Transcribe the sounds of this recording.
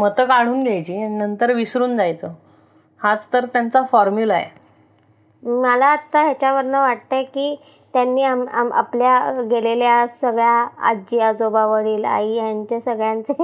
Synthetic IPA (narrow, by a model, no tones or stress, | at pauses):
mət̪əkaɽ̤uːnɡʱajt͡ɕiːnənt̪əɾʋisɾuːnd͡zajt͡so | hat͡st̪əɾt̪jant͡safɔɾmjuːlajḛ | məlaːt̪ːaɦjat͡ɕjaʋəɾnəʋaʈ̚t̪akiː | t̪janːiːama̰ma̰pljaɡeleljasəɡɭjaa̰d͡ʑijad͡zobaʋəɽiːla̰ɦijaɲt͡ɕasəɡɭjãnt͡se